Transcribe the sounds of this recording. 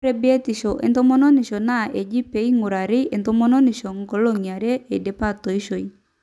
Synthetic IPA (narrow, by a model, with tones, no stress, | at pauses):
ɾe˦be˦t̪ɪ˨ʃo˨ʔḛ˨nt̪ɔ˦mɔ˦no˦nɪ˨ʃɔ˨na˦ʔe˨d͡ʒi˦pe˨˦i˦ŋʊ˨ɾa˨ɾɪ˦e˨nt̪o˦mɔ˦no˦nɪ˨ʃo˨ŋɡɔ˨˦lo˦ŋja˨ɾe˦e˨de˨˦pa˦t̪o˨i˦ʃo˨i˦